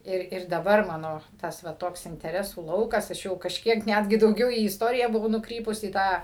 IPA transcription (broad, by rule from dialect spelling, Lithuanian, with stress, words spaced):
ˈɪr ɪr dɐˈbɐr mɐˈnoː ˈtɐs ʋɐ ˈtoːks ɪnʲtʲɛˈrʲæːsuː ˈlˠɐʊkɐs ɐʃ ˈjɛʊ kɐʃʲˈkʲiɛk ˈnʲæːdʲɡʲɪ dɐʊˈɡʲɛʊ iː ɪsˈtoːrʲɪjæː bʊˈʋɐʊ nʊˈkrʲiːpʊs iː ˈtɑː